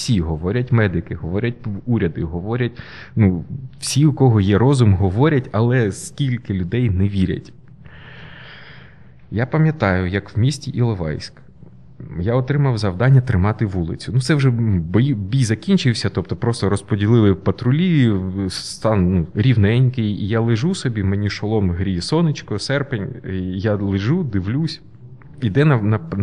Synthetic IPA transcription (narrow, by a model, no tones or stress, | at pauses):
sʲiɦɔʋɔɾʲɐtʲmɛd̪ɪkɪɦɔʋɔɾʲɐt̚ʲuɾʲɐd̪ɪɦɔʋɔɾʲɐtʲ | nuwsʲiʊkɔɦɔjɛɾɔzʊmɦɔʋɔɾʲɐtʲɐlˠɛskʲilʲkɪlʲʊd̪ɛjnɛʋʲiɾʲɐ̰tʲ | japɐmʲjɐt̪ɑjʊjɐkwmʲisʲtʲiʔilˠɔʋɑ̰jsʲk | jaɔt̪ɾɪmɐwzɐwd̪ɑnʲːɐt̪ɾɪmɑt̪ɪʋulˠɪ̰t͡sʲʊnut̪sɛwʒɛbɔjibʲijzɐkʲinʲt͡ʃɪwsʲɐt̪ɔp̚t̪ɔpɾɔst̪ɔɾɔspɔdʲilˠɪlˠɪpɐt̪ɾʊlʲist̪ɑnnuɾʲiwnɛnʲkɪjḭjalˠɪʒusɔbʲimɛnʲiʃɔlˠɔmɦɾʲisɔnɪt͡ʃkɔsɛrpenʲjalˠɪʒud̪ɪʋlʲusʲ | id̪ɛnɐnɐ